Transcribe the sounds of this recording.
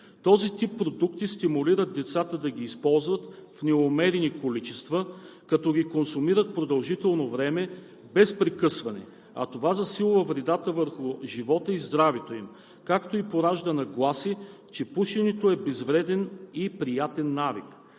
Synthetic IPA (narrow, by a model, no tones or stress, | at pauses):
t̪ɔzit̪ipːɾod̪ukt̪ist̪imʊliɾət̪̚d̪ɛt̪sat̪əd̪ɐɡʲiːspɔlˠzvət̪fnɛomɛɾinikolit͡ʃɛst̪vəkɐt̪ɔɡʲikonsumiɾət̪̚pɾod̪ɐlˠʒit̪ɛlˠnovɾɛmɛ | bɛspɾɛkɤsvɐnɛ̰ | ɐ̰t̪ovazɐsilˠvɐvɾɛd̪at̪əvəɾxʊʒivɔt̪əizd̪ɾavɛt̪oim | kakt̪oipoɾaʒd̪ənɐɡlˠasi | t͡ʃɛpuʃɛnɛt̪oɛbɛzvɾɛd̪ɛnipɾijat̪ɛnːavḭk